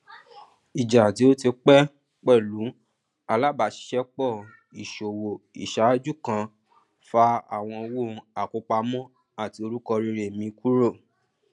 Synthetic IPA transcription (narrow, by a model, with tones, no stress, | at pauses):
i˨d͡ʒa˨ti˨˦o˦ti˧k͡pɛ˦ | k͡pɛ˦˨lu˨˦ | a˧la˦˨ba˨˦ʃi̥˦ʃɛ˦k͡pɔ˦˨ | i˨ʃo˨wo˨ḭ˨ʃa˨˦d͡ʒu˦˨kã˧ | fa˧a˦˨w̃ɔ̃˧wo˦˨˧a˨ko˧˦k͡pa˧mɔ̃˦ | a˦˨ti˧o˧ɾu˦kɔ˧ɾi˧ɾe˦˨mĩ˧ku˦ɾo˦˨